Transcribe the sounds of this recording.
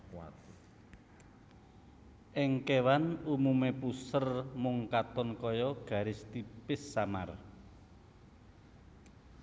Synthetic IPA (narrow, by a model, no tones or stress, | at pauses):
ʔɪŋkewanumumepusərmʊŋkat̪ɔnkɔjɔɡ̥ä̤ɾɪst̪ipɪsːamar